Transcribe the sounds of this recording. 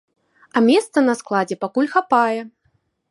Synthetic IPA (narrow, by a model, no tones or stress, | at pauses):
ɐmʲɛst̪sɐnɐsklˠad͡zʲɛpakulʲxapajɛ